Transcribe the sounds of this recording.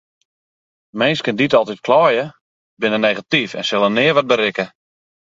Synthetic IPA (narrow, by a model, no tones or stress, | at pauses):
mɛnskənditɔlˠtit̚kʰlɔːjə | bɪnəneɣatifɛ̰nsɪlˠənɪːəʋɔt̚bəɾɪkə